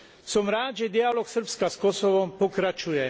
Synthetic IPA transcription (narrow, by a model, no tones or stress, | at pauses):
sɔmɾaːd͡ʒɛd̪ialoksərpskaskosɔʋɔmpokɾat͡ʃujɛ